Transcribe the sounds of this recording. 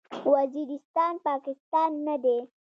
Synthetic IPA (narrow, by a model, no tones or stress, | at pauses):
waziɾɪst̪ɑnpɑkɪst̪ɑnːad̪e